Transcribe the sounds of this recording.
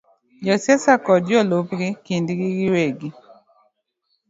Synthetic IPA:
d͡ʒɔsjɛsakɔdjɔlopɡɪkindɡiɡɪweɡi

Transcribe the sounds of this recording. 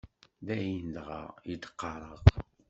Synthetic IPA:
ðæjind̪ʁɑ̰jid̪ə̥qːɑɾˤəʁ

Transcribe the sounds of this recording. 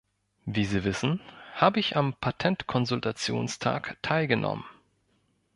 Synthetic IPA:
viːziːvɪsn̩haːbəɪçampʰatʰɛntkʰɔnzʊltʰat͡sjo̰ːnstʰa̰ːktʰaɪlɡənʔɔ̰mən

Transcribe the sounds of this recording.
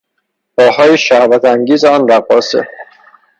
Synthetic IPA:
b̥ɒːhɒːjiʃæhvæt̪ʰæŋɟiːzeɒːnɾæɣɒːsḛ

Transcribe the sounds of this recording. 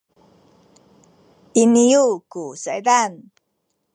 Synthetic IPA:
inijukusajdan

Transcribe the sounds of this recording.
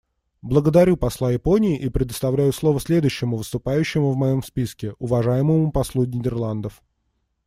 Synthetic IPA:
blˠəɡəd̪ɐɾʲupɐslˠajɪpo̞nʲɪːʔipɾʲɪd̪əst̪ɐvlʲæjʊslˠo̞vəsʲlʲe̞d̪ʊɕːɪmʊvəst̪ʊpajʉɕːɪmʊvmɐjo̞mspʲiskʲɪʊvɐʐajɪməmʊpɐslˠunʲɪdʲɪrlˠand̪əf

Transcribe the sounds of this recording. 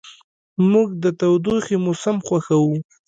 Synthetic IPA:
muɡd̪ət̪awd̪uximʊsɪmxwaxawu

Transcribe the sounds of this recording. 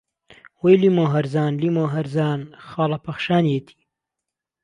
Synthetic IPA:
wejlimoːɦɐɾzɑːnlimoːɦɐɾzɑːnxɑːlapɐxʃɑːnjet̪ʰi̥

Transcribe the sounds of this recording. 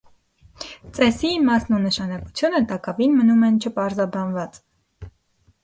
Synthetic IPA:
t͡sɛsimɑsnunəʃɑnɑkut͡sʰjunət̪ɑkɑvinmənumɛnt͡ʃʰəpɑɾzɑbɑnvɑt͡s

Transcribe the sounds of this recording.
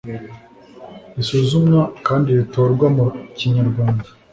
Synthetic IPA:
isuzumŋakaːndiɾitoːɾɡwamuciɲaɾɡwaːnda

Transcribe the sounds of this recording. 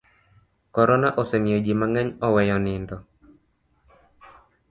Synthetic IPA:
kɔɾɔnaʔosɛmɪjod͡ʒimaŋaɲɔwɛjɔnɪndɔ

